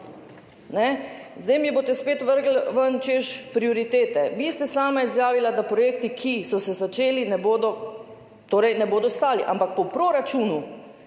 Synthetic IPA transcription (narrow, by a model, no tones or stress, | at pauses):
nɛzd̪ɛjmiboːt̪ɛspeːt̪ʋəɾɡl̩ʋənt͡ʃeʃpɾioɾit̪eːt̪ɛʋist̪ɛsaːmaizjaːʋilad̪apɾɔjeːkt̪ikʰisɔsɛzat͡ʃeːlinɛboːd̪ɔ | t̪oːɾɛjnɛboːd̪ɔst̪aːliʔa̰mpak̚pɔpɾoɾat͡ʃuːnu